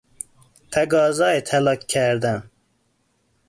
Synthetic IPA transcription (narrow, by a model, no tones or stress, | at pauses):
t̪ʰɛɡɑːzɑːet̪ʰɛlɑːkkʰːɛɾd̪ɛn